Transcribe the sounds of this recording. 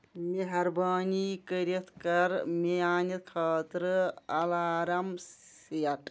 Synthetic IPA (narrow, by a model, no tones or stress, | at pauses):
meɦɐɾbaːnikəɾet̪ʰkɐɾmejaːnɐt̪̚kʰaːt̪ɾɨɐlaːɾɐms | ijɐʈ